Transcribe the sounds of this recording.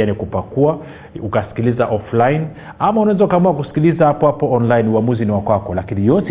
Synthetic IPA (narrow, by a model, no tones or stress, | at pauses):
anikupakua | ukasi̥kilizaʔɔflain | amaunawɛzaukamuakusi̥kilizahapɔhapɔɔnlainuamuziniwakwakɔlakinijɔt